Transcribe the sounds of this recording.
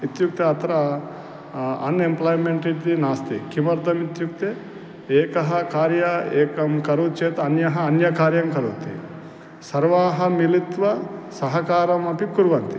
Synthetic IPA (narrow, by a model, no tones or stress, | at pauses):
it̪juk̚t̪eɐt̪ɐɾɐ | ɐnemplaːjmeɳʈiʈd̪inaːst̪ikimɐɾd̪ɐmit̪juk̚t̪e | eːkɐɦɐkaːɾjɐeːkɐmkɐɾut͡ʃeːt̪ɐnjɐɦɐːnjɐkaːɾjɐmkɐɾṵːt̪ḭ | sɐɾʋaːɦɐmilit̪ʋɐsɐɦɐkaːɾɐmɐpikuɾʋɐnt̪i